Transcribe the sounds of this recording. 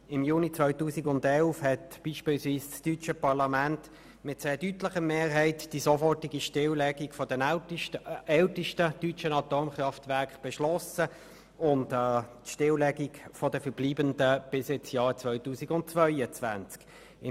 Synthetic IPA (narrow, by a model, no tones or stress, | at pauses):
ɪmjuːnit͡svœʏtuːsiɡʊndɛlfhɛtb̥iːʃpiːlsviːsstyt͡ʃəpɑʁlɑmænt | mɪtsɛːdytləχəmeːʁɦɛɪtd̥isofɔtiɡiʃtɪwlɛɡikfɔdɛn | ɛltəʃtətyt͡ʃənɑtoːmχrɑftvɛɐkχb̥ɛʃlɔsə | ʊntɛtʃtɪwlɛɡikfɔdəfəʁb̥liːbəndəb̥ɪsɪt͡sjɑːʁt͡svœʏtuːsiɡʊnt̚t͡svœʏət͡sʋænt͡sk | ɪ